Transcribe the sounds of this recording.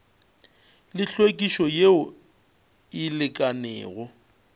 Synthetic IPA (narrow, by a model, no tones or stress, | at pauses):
lɪɬwekʼiʃɔjeʊ | ɪlɪkʼanɛ̰ːɣʊ